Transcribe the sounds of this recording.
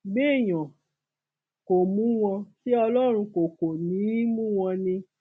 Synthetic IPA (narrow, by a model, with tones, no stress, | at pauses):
ɡ͡be˦˨j̃ɔ̃˨ | ko˨mũ˨˦w̃ɔ̃˧si˦ɔ˧lɔ˦ɾ̃ũ˧ko˨ko˨nĩː˨˦mũ˦w̃ɔ̃˧nĩ˧